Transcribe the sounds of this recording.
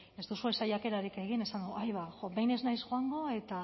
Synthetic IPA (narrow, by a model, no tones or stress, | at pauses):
e̞zd̪usue̞sajake̞ɾaɾike̞ɣ̞ine̞sand̪uʔajβaxobe̞jne̞znajsxoaŋɡo̞e̞t̪a